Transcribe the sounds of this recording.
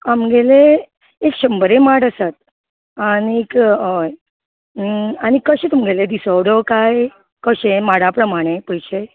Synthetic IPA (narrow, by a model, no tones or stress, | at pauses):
amɡeleː | kɕəmbəɾemaʈəsat̪̚ | añiekəj | aɽ̃ikəɕẽt̪umɡeled̪isəʋɽokaj | kəɕemaɽapɾəmaɽ̃epəjɕe